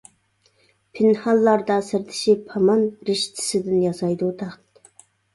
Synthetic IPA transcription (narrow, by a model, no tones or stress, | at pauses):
pʰɪnhɑlˠːɑɾd̪ɑsɪɾt̪ʰɪ̥ʃipʰɑmɑnɾɪʃt̪ʰɪ̥sɪd̪ɪnjɑsɑjd̪ut̪ʰɑχt̪